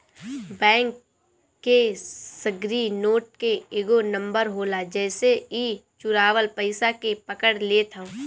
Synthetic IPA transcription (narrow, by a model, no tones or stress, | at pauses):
bɛ̃ːŋkː | esəɡɾinoːʈ̚keeːɡonə̃mbəɾɦoːlad͡ʒɛːseiːt͡ʃʊɾaːʋəlpəɪsakepəkəɽleːt̪ʰã